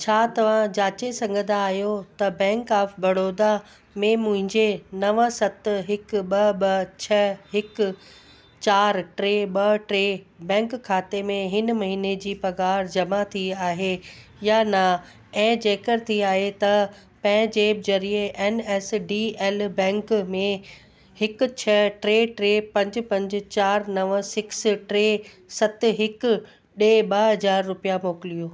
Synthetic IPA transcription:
t͡ɕʰaːt̪ɐʋ̤ãd͡ʑaːt͡ɕesɐ̃ŋɡʱə̃nd̪aːɦjot̪ɐbɛ̃ːŋkaːfbɐɽoːd̪a | mẽmʊ̃ɦɪ̃ɲd͡ʑenɐʋəsɐt̪ɦɪkɓɐɓɐt͡ɕʰɐɦɪk | t͡ɕaːɾʈɾeːɓɐʈɾeː | bɛ̃ːŋkkʰːaːt̪emẽɦɪnmɐɦiːned͡ʑiːpɐɡaːɾd͡ʑɐmat̪ʰiaːɦejana | ɛ̃ːd͡ʑeːkəɾt̪ʰiaːɦet̪ɐ | pɐ̃ɦɪ̃d͡ʑeːb̚d͡ʑɐɾieʔɛːnɛːsɖiːeːlbɛ̃ːŋkmẽ | hɪk̆t͡ɕʰɐʈɾeːʈɾeːpɐ̃ɲd͡ʑ̆pɐ̃ɲd͡ʑ̆t͡ɕaːɾnɐʋsɪksʈɾeː | sɐt̪̆ɦɪk | ɗeːɓɐɦɐzaːɾːʊpijamoːkɪlijoː

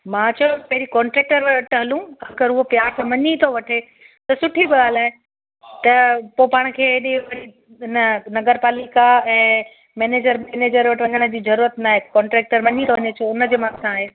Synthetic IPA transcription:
mãːt͡ɕʰɐopɐɦɪɾikɔ̃ːɳʈɾeːk̚ʈəɾʋɐʈʰɦɐlũɐɡəɾʊɦopjaːɾt̪ʰãmɐɲit̪ʰoʋɐʈʰe | t̪ɐsʊʈʰibɪɡaːlaːɦe | t̪ɐpopaːɽ̃̆kʰeːeɗẽʋɐɾi | ɪnənɐɡəɾpaːlikaɛ̃ː | mɛːneːd͡ʑəɾmɛːneːd͡ʑəɾʋɐʈʰʋɐɲəɽ̃ə̆d͡ʑiːzɐɾuːɾət̪naːɦekɔ̃ːɳʈɾɛːk̚ʈəɾmɐɲit̪ʰoʋɐɲet͡ɕʰoʊnə̆d͡ʑeːmãssãːɦeː

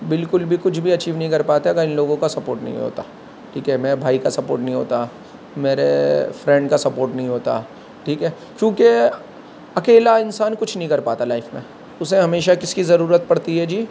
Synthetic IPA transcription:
bɪlkʊlbʱikʊt͡ʃʰbʱiɐt͡ʃiːʋnɐɦĩkɐɾpaːt̪eɐɡəɾɪ̃nloːɡõkasɐpo̰ːɾʈnɐ̰ɦḭ̃ɦo̰ːt̪aː | ʈʰiːkɦɛmɛ̃bʱaːikasɐpoːɾʈnɐɦĩɦo̰ːt̪a | meːɾḛfɾɛ̃ɳɖkasɐpoːɾʈnɐɦĩɦoːt̪a̰ | ʈʰiːkɦɛː | kjõːke | ɐkeːlaɪnsaːnkʊt͡ʃʰnɐɦĩkɐɾpaːt̪alaːɪfmḛ̃ | ʊseɦɐmeːʃakɪskizɐɾuːɾət̪̚pɐɽt̪iɦɛd͡ʒiː

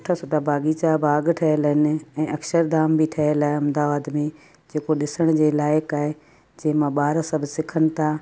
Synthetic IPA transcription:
ʈʰasoːʈʰabʱaːɡiːt͡ɕabʱaːɡʈʰɐɦɪəlɦɪnɪ̆ɛ̃ːɐkʃəɾd̪aːmbɪʈʰɐɦəlaːɦeɐmd̪aːʋaːd̪mẽ | d͡ʑeːkoɗɪsəɽ̃d͡ʑeːlaːjəkaːɦe | d͡ʑɐ̃ːɦɪ̃mãɓaːɾasɐbʱsɪkʰənɪ̆t̪ʰaː

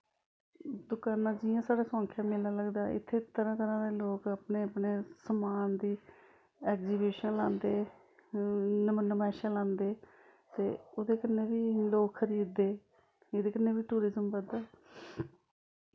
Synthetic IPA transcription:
d̪ʊkaːnãːd͡ʒɪjãːsaːɽaːsõːŋkʰjãːmɪlaːləɡd̪aːʔɪ̰t̪ʰːeːt̪əɾãːt̪əɾãːd̪eːloːkəpneːəpneːsəmaːnd̪iː | ɛːkziːbuːʃənlãːnd̪eː | nmnəmɛːʃãːlãːnd̪eː | t̪eːoːd̪eːkənːeːʋiːloːkʰəɾiːd̪ːeː | eːd̪eːkɪneːʋiːʈuːɾɪzəmbəd̪aː

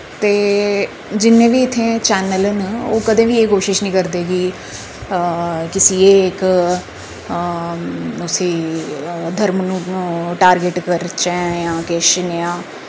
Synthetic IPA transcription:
t̪eː | d͡ʒɪnːẽːʋiːɪt̪ʰːẽːt͡ʃɛːnələnoːkəd̪ẽːʋiːeːkoːʃɪʃnĩːkəɾd̪eːɡiː | kɪsiːeːk | ʊsiː | d̪ʱəɾmnũːnːʈaːɾɡeʈkəɾt͡ʃɛ̃ːjãːkeːʃənjãː

